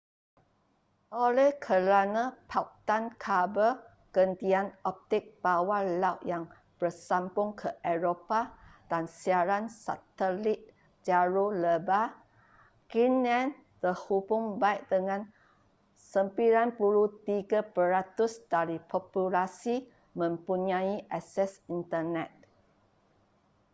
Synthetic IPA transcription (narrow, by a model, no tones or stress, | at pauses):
ʔolɛhkʰəɾanãpʰak̚t̪ankʰabə | ɡ̥əndianɔp̚t̪ɪk̚b̥awalawʔjaŋ | b̥ərsampʊŋkʰəʔɛɹopad̥ansiaɾansa̰t̪əlit̪̚ | d͡ʒaɹoləba | kinãn | t̪əhubʊŋbaiʔ̚dəŋãn | səmpiɾanpuɾut̪iɡapəɾat̪usd̥aɾipʰɔpulasi | mə̃mpuɲãiʔasɛsint̪ənɛt̪̚